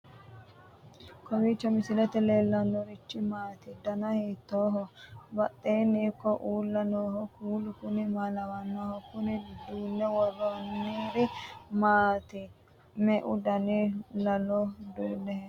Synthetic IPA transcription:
kɔwit͡ʃːɔmɪsɪlɛt̪ɛleːlːɐnːɔɾɪt͡ʃːɪmaːt̪ɪd̪ɐnɐheːt̪ːoːɦɔbɐt̪ːeːnːiːkːɔʔuːlːɐnoːhɔkuːlʊkʊnɪmalɐwɐnːoːhɔkʊnɪd̪uːnːɛwɔrɔnːiːɾɪmaːt̪ɪ | mɛʔʊd̪ɐnilɐlɔd̪uːnːɛhɛ

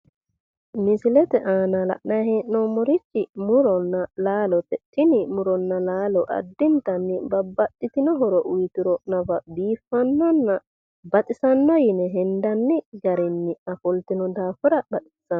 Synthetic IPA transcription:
mɪsɪlɛt̪ɛʔaːnɐlɐ̰ʔnaɦeːʔːɔmɔɾɪt͡ʃːɪmʊɾɔnːɐlaːlɔt̪ɛt͡ʃːɪnɪmʊɾɔnːɐlaːlɔʔɐ̰d̪ːɪnt̪ɐnːɪbɐbːɐɗːɪt̪ɪnɔɦɔɾɔʔʊjt̪ɪɾɔʔnɐbɐd̪iːfːɐnːɔnːɐ | bɐt̪ʼɪsɐnːɔjɪnɛɦɛnd̪ɐnːɪɡɐɾɛnːɪɐfɔlt̪ɪnɔd̪aːfʊɾɐbɐt̪ʼɪ̥sɐ

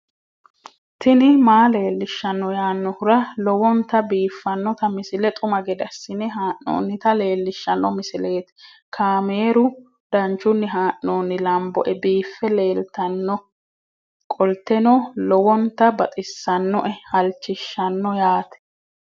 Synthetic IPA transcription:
t̪ʰɪnɪmaːle̞ːlːɪʃːɐnːɔjaːnːɔhʊɾɐlɔwɔnt̪ɐbiːfːɐnːɔt̪ɐmɪsɪlɛt̪ʼʊmɐɡɛd̪ɐsːɪnɛɦaːʔno̰ːnːɪt̪ɐle̞ːlːɪʃːɐnːɔmɪsɪle̞ːt̪ɛ̥ | kʰaːme̞ːɾʊ | d̪̥ɐnt͡ʃːʊnːɪɦaːʔnoːnːɪlɐmbɔʔɛbiːfːɛle̞ːlt̪ɐnːɔ | kʼɔlt̪ːɛnɔlɔwɔnt̪ɐbɐt̪ʼɪsːɐnːɔ̰ʔɛhɐlt͡ʃːɪʃːɐnːɔjaːt̪ɛ̥

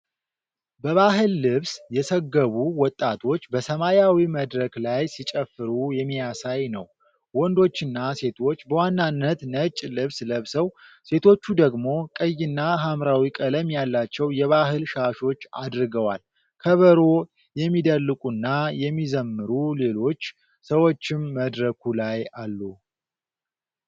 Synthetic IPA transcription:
bəβaɦɨlːɨβsjɛsəɡːəβuwɔt̪ʼːat̪ʰo̞t͡ʃːbəsəmajawiməd̪ɾəklajsit͡ʃʼəfːɨɾujɛmːijasajnə̰w | wɔnd̪o̞t͡ʃːɨnːase̞t̪ʰo̞t͡ʃːbəwanːanːət̪nət͡ʃʼːlɨβsləβsəwse̞t̪ʰo̞t͡ʃːud̪əɡmo̞kʼəjːɪnːaɦamɾawikʼələmjalːat͡ʃːɛwjɛβaɦɨlʃaʃo̞t͡ʃːa̰d̪ɾɨɡəwal | kʰəβəɾo | jɛmːid̪əlːɨkʼunːajɛmːizəmːɨɾule̞lo̞t͡ʃː | səwo̞t͡ʃːɪmːəd̪ɾəkʰulajalːu

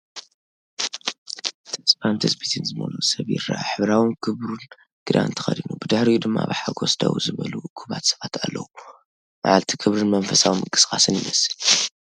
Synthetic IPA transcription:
t̪ʰɐspant̪ʰɨsbit̪ʰɨnzɨmo̰lusɐβjɪ̰ɾːa̰ʔaħɨβɾawɨnkʰɨβɾun | ɡ̥ɨɾa̰nt̪ʰɨ̥xɐd̪inubɨd̪ɨħɾijud̪ɨmːabɨħaɡʰosd̪a̰wuzɨβɐlukʰuβat̪sɐβat̪ʰalːɐwu | maʕalt̪ʰikʰɨβɾɨnmɐnfɐsawimɨkʼɨ̥skʼasɨnjɪ̰mɐsɨl

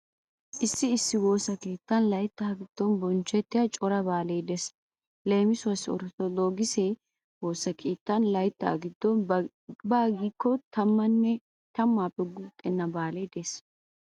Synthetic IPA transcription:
ʔɪsːɪɪsːɪwo̞ːsɐkeːt̪ːɐnlɐjt̪ːaɐɡɪd̪̥ːɔnbɔnt͡ʃːɛt̪ːɪjɐt͡ʃʼɔɾɐbaːleːd̪ɛs | le̞ːmɪsʊɐsɔ̰ɾt̪ɔd̪oːɡɪse | wo̞ːsɐkʰeːt̪ːɐnlɐjt̪ːɐ̰ːɡɪd̪ːɔn | baːɡiːkːɔt̪ɐmːɐnːɛ | t̪ɐmːaːpʼɛɡut̪ʼːɛnːɐbaːled̪ɛs

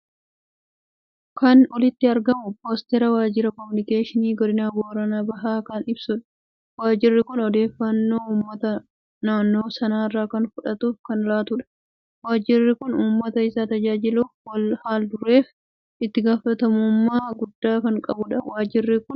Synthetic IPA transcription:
kɐnɔlɪt̪ːɪɐɾɡɐmʊpoːst̪ɛɾɐwaːd͡ʒɪɾɐkɔmɪnɪkeːʃɪniːɡɔd̪ɪnaːboːɾɐnaːbɐɦaːkaːnɪbsʊᶑɐ̥ | waːd͡ʒɪrːɪkʊnɔd̪e̞ːfːɐnːo̞ːuːmːɐt̪ɐ | naːnːo̞ːsɐnaːɪrːaːkɐnfʊᶑɐt̪uːfkɐnlaːt̪ʊᶑɐ̥ | waːd͡ʒɪrːɪkʊnuːmːɐt̪ɐɪsaːt̪ɐd͡ʒaːd͡ʒɪluːfwɐlhaːld̪ʊrːe̞ːf | ɪt̪ːɪɡaːfɐt̪ɐmʊmːaːɡʊd̪ːaːkɐŋkʼɐbʊᶑɐwaːd͡ʒɪrːɪkʊn

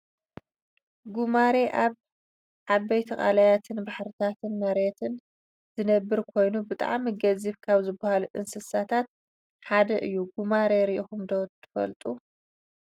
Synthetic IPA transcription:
ɡumaɾe̞ʔaβ | ʕaβɐjt̪ʰɐχʼa̰lajat̪ʰɨnbaħɾɨt̪ʰat̪ʰɨnmɐɾet̪ʰɨn | zɨnɐbːɨɾkʰo̞jnubɨt̪ʼa̰ʕmiɡɐziβkʰaβzɨbːahaluʔɨ̰nsɨsat̪ʰat̪̚ | ħad̪ɐʔɨjːuɡumaɾeɾiʔixumd̪owt̪ʰːɨ̥fɐ̰lt̪ʼu

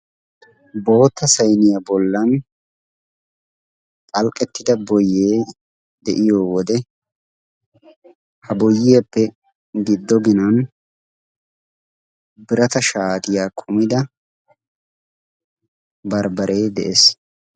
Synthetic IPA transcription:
bo̞ːt̪ːɐsɐjnɪjɐbɔlːɐn | pʼɐlkʼːɛt̪ːɪd̪ɐbɔjːeː | d̪ɛʔɪjoːwɔd̪ɛ | hɐbɔjːɪjɐpːɛ | ɡɪd̪ːɔɡɪnɐn | bɪɾɐt̪ɐʃaːt̪ɪjaːkʰʼʊmɪd̪ɐ | bɐɾbɐɾʔe̞ːd̪ɛ̰ʔes

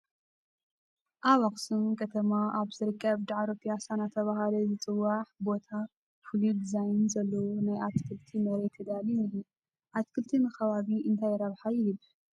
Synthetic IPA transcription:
ʔaβaχʼsɨnkʰɐt̪ʰɐmaʔaβzɨɾɨkʼːɐβd̪aʕaɾopʰijasanat̪ʰɐβaɦalɐzɨt͡sʼɨwːaħbo̞t̪ʰa | fɨlid̪izajnzɐlːɐwonajʔat̪kʰɨlt̪ʰimɐɾet̪ʰːɨd̪aliniɦi | ʔat̪kʰɨlt̪ʰimɐxɐβaβiʔɨnt̪ʰajɾɐβħajɪjɨb

